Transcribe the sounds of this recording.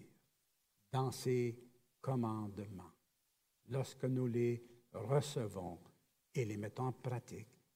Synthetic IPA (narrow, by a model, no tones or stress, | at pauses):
d̪̥ɑ̃se | kɔmɑ̃d̪mɑ̃ | lɔʁskənuleʁəsəvɔ̰̃ | elemɛt̪ɔ̃ɑ̃pʁat̪ik